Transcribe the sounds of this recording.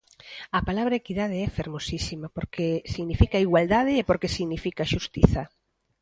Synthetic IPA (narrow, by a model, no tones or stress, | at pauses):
ɐpalaβɾɐekiðað̞eɛfeɾmosisimapoɾkesiɣnifikaiɣwald̪aðɪːpoɾkesiɣnifikaʃust̪iθɐ